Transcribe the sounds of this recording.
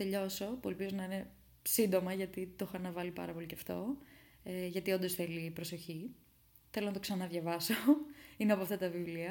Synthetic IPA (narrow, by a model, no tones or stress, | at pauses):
t̪e̞ʎo̞so̞puelpizonɐine̞ | sind̪o̞mɐʝɐt̪it̪oxɐnɐvɐlipɐ̰ɾɐpo̞liceɐft̪o̞̰eʝɐt̪io̞nd̪o̞sθe̞liːpɾo̞so̞çi | θelo̞nɐt̪osɐnɐnɐðʝɐvɐsoineɐpoɐft̪ɐt̪ɐvivliɐ